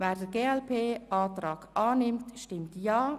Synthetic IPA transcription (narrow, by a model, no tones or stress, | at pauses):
vɛːɾdəɡeːɛlpʰeːʔɑːtrɑːɡ̥ʔɑːnɪmtʃtɪmtjɑː